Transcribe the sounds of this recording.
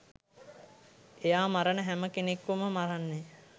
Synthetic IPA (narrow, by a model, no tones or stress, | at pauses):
ejaːmaɾənəɦæməkenekːʋuməmaɾanːe